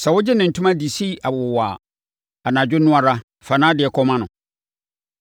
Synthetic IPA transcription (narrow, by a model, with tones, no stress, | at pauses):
sɛ˨wʊ˦d͡ʑɪ˦nɪ̃˨n̩˨tʰũ˦mã˦di˨si˦a˨waː˨ | a˨nã˨d͡ʑᶣʊ˦nʊ̃˦a˨ɾa˦ | fa˨nã˦dɪ˨ɛ˨kʰɔ˦mã˦nʊ̃˨